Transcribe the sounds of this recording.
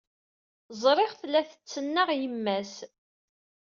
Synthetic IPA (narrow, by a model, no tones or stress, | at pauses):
zˤɾˤɪʁθlæθə̥t͡sːənːəʁjəmːæs